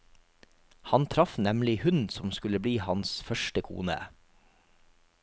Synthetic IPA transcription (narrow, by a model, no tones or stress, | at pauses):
hɑnt̪ʰɾɑfnɛmlɪhʉnsɔmskʉləbliːhɑnsfœʃʈəkʰṵːnə̰